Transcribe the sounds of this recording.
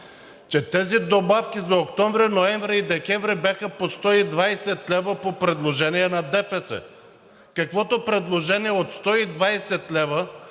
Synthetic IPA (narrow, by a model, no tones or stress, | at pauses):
t͡ʃɛt̪ɛzid̪obafkʲizɐokt̪ɔmvɾinoɛɱvɾɛid̪ɛkʲɛvɾibʲjaxəpost̪ɔid̪vajsɛt̪lɛvəpopɾɛd̪lˠoʒɛniɛnɐd̪ɛpɛsɛ̰ | kɐkvɔt̪opɾɛd̪lˠoʒɛniɛot̪st̪ɔid̪vajsɛt̪lɛvə